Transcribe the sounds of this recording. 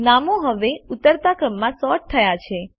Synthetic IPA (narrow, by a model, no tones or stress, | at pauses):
namoɦəʋeʊt̪ːəɾt̪akɾəmːãsɔʈ̚t̪ʰəjat͡ʃʰe